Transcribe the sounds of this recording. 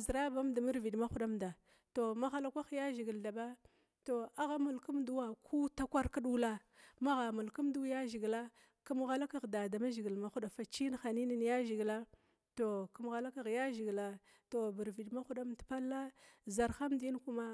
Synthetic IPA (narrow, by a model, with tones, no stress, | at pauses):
zɾa˦ba˦mda˨mi˦ɾvi˨ɗma˦xu˦ɗa˦mda˨ | to˨ma˦xa˦la˦kʷa˦xja˦ʒi˨ɡi˨lda˨ba˦ | to˨a˦ɣa˦mu˨lku˦mdu˦wa˦kʰu˦ta˦kʷa˦ɾka˦ɗu˦la˦ | ma˦ɣa˨mu˨lku˦mdu˦ja˦ʒi˨ɡla˦ | ku˦m˦ɣa˦la˦ka˨ɣda˨da˨ma˦ʒi˨ɡi˨lma˨xu˦ɗa˨fa˨t͡ʃi˦n˦xa˨ni˦ni˦nja˦ʒi˨ɡla˦ | to˨ku˦mɣa˨la˦ka˦˨ɣja˦ʒi˨ɡla˨ | to˨bi˨ɾvi˨ɗma˦xu˦ɗa˦mdpa˦lːa˦za˨ɾxa˦mdi˦n˦ku˦ma˦